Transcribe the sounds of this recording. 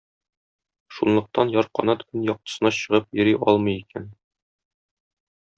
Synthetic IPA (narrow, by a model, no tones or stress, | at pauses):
ʃunlˠɤ̆q̚t̪ɑnjɒɾqɒ̰nɑt̪kɵnjɒq̚t̪ɤ̥̆sɤ̆nɑɕɤ̆ʁɤp̚jɵ̆ɾiʔɒ̰lˠmɤjikæn